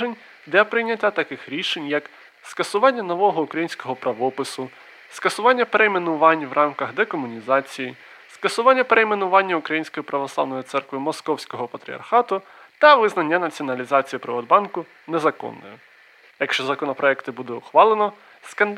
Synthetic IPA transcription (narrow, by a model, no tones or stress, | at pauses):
enʲ | d̪lʲɐpɾɪjnʲɐtʲat̪ɐkɪxɾʲiʃenʲjɐk | skɐsʊʋɑnʲːɐnɔʋɔɦɔʊkɾɐjinʲsʲkɔɦɔpɾɐʋɔpɪsʊ | skɐsʊʋɑnʲːɐpeɾejmenʊʋɑnʲʋrʔɑmkɐɣd̪ɛkɔmʊnʲizɑt͡sʲiji | skɐsʊʋɑnʲːɐpeɾeimenʊʋɑnʲːɐʊkɾɐjinʲsʲkɔjipɾɐʋɔslˠɑ̰ʋnɔjit̪sɛrkʋɪmɔskɔwsʲkɔɦɔpɐt̪ɾʲḭɐ̰rxɑt̪ʊ | t̪ɐʋɪznɐnʲːɐnɐt͡sʲiɔnɐlʲizɑt͡sʲijipɾɪʋɔd̪bɑnkʊ | nɛzɐkɔ̰nːɔ̰jʊ | jɐkʃt͡ʃɔzɐkɔnɔpɾɔɛkt̪ɪbud̪ɛʊxʋɑlˠenɔ | skɐn